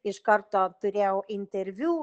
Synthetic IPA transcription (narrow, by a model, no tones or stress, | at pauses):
ɪʃkɐrt̪oːt̪ʊɾʲɛwɪnʲt̪ʲeɾʲʋʲuː